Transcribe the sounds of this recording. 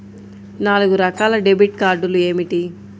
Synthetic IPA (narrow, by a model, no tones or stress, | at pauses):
naːluɡuɾɐkaːlɐɖebiʈkaːɾɖulue̞ːmiʈi